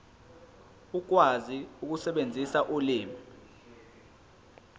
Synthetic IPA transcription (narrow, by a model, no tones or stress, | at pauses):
uk̬waziuk̬usɛɓend͡zʱisaʔuliːmi